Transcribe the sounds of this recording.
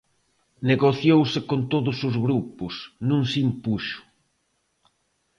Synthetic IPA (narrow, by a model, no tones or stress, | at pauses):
neɣoθjowsɪkont̪oðʊsʊzɣɾupʊsnũŋsimpuʃʊ̥